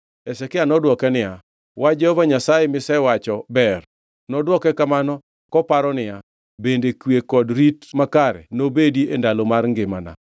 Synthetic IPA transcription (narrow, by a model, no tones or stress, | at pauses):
esɛkɪanɔdwɔkɛnɪja | wad͡ʒɛhovaɲasajemɪsɛwat͡ʃɔbɛr | nɔdwɔkɛkamanɔ | kɔpaɾɔnɪja | bendekwekɔdɾitmakaɾɛ̰nobediendalomarŋɡɪmana̰